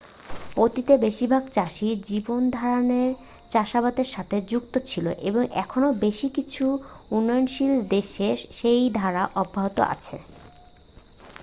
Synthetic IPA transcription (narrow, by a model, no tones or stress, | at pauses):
ot̪it̪ebeʃibʱaɡt͡ɕaʃid͡ʑibond̪ʱaɾaneɾ | t͡ɕaʃabat̪eɾʃat̪ʰed͡ʑukt̪ot͡ɕʰilo̰ʔḛboŋʔɛkʰonobeʃikit͡ɕʰuunːɔjonʃild̪eʃeʃejd̪ʱaɾaʔɔbʱːaɦot̪o̰a̰t͡ɕʰḛ